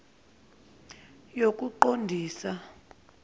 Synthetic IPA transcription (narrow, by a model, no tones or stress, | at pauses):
jokʼuǃondʱiːsa